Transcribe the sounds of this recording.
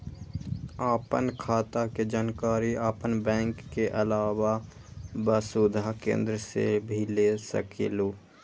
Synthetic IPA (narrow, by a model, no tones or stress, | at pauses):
aːpə̰nkʰaːt̪aked͡ʒaːnkaːɾiaːpənbɛ̃ːŋkːeʔɐlaːwa | bəsud̪ʱakḛ̃ːnd̪ɾəsḛbʱilesə̰kʰḛloː